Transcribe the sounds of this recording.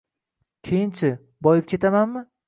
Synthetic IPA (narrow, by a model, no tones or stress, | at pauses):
kʲʰejɪnt͡ʃʰɪ | bɒjɪp̚kʲʰe̞t̪ʰamanmɪ